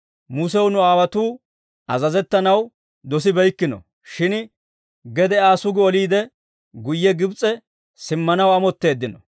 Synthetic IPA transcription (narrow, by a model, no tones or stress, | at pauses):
mʊs̬ɛwnʊaːwɐt̪uː | ʔɐzɐzɛt̪ːɐnɐw | d̪ɔsɪbɛjkːɪnɔ̰ | ʃɪn | ɡɛd̪ɛaːsʊɡɪɔliːd̪ɛ | ɡʊjːɛɡɪbt͡sʼːɛ | sɪmːɐnɐwɐmɔt̪ːe̞ːd̪ːɪnɔ